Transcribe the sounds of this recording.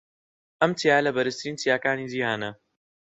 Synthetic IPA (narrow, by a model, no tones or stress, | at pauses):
ʔɐmt̪ijaːjlɐbɐɾɨst̪ʰɾiːnt̪ʰijaːkaːniːd͡ʒiːhaːnɐ